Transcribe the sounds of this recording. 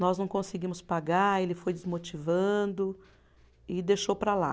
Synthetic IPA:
nɔznɐ̃w̃kõsɪɡĩmʊspaɡaɾelɪfojd͡ʒɪzmot͡ʃivɐ̃d̪ʊ | ɪd̪eʃowpɾala̰

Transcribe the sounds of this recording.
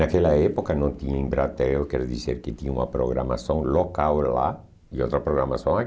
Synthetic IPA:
akeʎaepokanõt̪iɲeŋbɾat̪eokeɾðiseɾket̪iɲumapɾoɣɾa̰ma̰sõŋlokawla̰ | iot̪ɾapɾoɣɾamasoŋa

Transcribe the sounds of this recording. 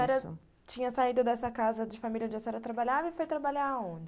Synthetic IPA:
ɛɾɐ | t͡ʃĩɲɐsaid̪ʊd̪ɛsɐkazɐd͡ʒɪfamiljɐd͡ʒosɛɾɐt̪ɾabaʎavɐɪfojt̪ɾabaʎaɾõd͡ʒɪ

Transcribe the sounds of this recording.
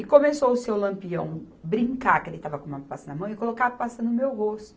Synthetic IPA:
ɪkõmesoʊsewlɐ̃mpiɐ̃w̃ | bɾĩŋkakelɪt̪avɐkõmũɐpasɐnɐmɐ̃w̃ɪkolokavɐpasɐ̃nd̪ʊmewhost̪ʊ

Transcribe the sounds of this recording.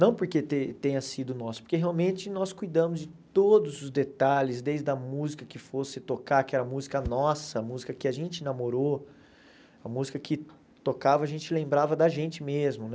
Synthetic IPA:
nɐ̃w̃poɾket̪et̪ẽɲɐsid̪ʊnɔsʊ̥poɾkeɦeawmẽnt͡ʃɪnɔskujd̪ɐ̃mʊzd͡ʒɪtt̪od̪ʊzʊzd̪et̪aʎɪzd̪ejzd̪ɐmuzikɐkɪfosɪt̪okaɾkɪɛɾɐmuzikɐnɔsɐɐmuzikɐkɪaʒẽnt͡ʃɪinamoɾo | ɐmuzikɐkɪ | t̪okavɐʒẽnt͡ʃɪlẽmbɾavɐd̪ɐʒẽnt͡ʃɪmezmʊnɛ

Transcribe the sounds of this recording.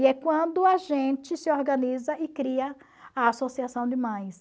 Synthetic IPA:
ɛkwɐ̃nd̪ʊaʒẽt͡ʃɪsɪoɾɡɐ̃nizɐɪkɾiɐ | aasosiasɐ̃w̃d͡ʒɪmɐ̃j̃s

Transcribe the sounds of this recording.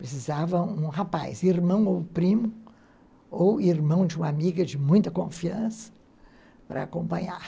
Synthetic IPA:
pɾesizavɐũɦapa̰jziɾmɐ̃w̃owpɾĩmʊ | owiɾmɐ̃w̃d͡ʒɪũmɐamiɡɐd͡ʒɪmũj̃t̪ɐkõfiɐ̃sɐ̥ | pɾɐ̰a̰kõpɐ̃ɲa̰ɾ

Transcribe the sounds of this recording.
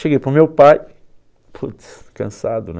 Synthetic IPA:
ʃeɡejpɾʊmewpaj | pʰut̪skɐ̃sad̪un

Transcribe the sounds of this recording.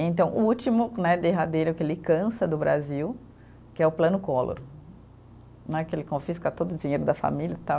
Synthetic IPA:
ẽnt̪ɐ̃w̃ʔut͡ʃimʊnɛd̪eɦad̪ejɾʊkelɪkɐ̃sɐd̪ʊbɾa̰ziw | kɪɛʊplɐ̃nʊkɔlo̰ɾ | nɛkɪelɪkõfiskɐt̪od̪ʊd͡ʒĩɲejɾʊd̪ɐfa̰miljɐt̪a

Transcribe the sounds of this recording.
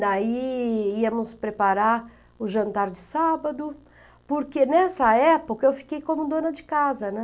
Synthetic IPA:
d̪aiiɐmʊspɾepaɾaɾ | ʊʒɐ̃nt̪aɾd͡ʒɪsabɐd̪ʊ | poɾkenɛsɐɛpokɐewfi̥kejkõmʊd̪õnɐd͡ʒɪkazɐnɛ

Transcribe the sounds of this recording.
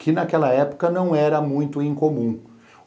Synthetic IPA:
kɪnakɛlɐɛpʊ̥kɐnɐ̃w̃ɛɾɐmũj̃t̪ʊĩkomũ

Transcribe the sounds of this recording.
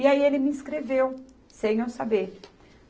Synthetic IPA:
iaielɪmɪĩskɾevew | sẽj̃ewsabeɾ

